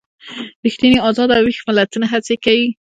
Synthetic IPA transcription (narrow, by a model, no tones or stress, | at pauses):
ɾixt̪iniɑzɑd̪awixmɪlat̪unaɦat͡sekawi